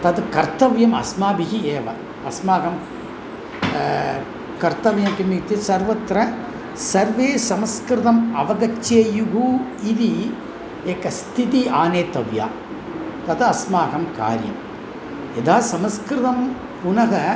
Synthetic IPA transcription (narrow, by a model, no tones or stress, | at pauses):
t̪ɐðkɐɾt̪ɐʋjɐmɐ̰smaːbiɣieːʋɐ | ɐsmaːɣɐm | kɐɾt̪ɐʋjɐmkimːit̪ːisɐɾʋɐt̪ːɾɐ | sɐɾʋeːsɐmɐskɾɪðɐmɐʋɐɣɐt͡ʃːijuɣuiði | ɛkːɐst̪ʰit̪̬iaːneːt̪ːɐʋja̰ː | t̪ɐðɐsmaːɣɐmka̰ːɾjɐ̰m | ɛðaːsɐmɐskɾɪðɐm | ʊnɐɣɐ